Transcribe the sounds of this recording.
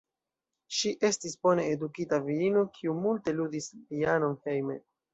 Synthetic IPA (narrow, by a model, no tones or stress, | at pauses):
ʃiʔe̞stisbo̞ne̞edukitaviɾino̞kʰiumulte̞ludisviano̞nhe̞jmḛ